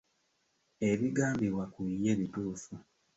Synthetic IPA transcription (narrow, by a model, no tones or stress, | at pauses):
e̞βiɡaːmbiwakuje̞βituːfu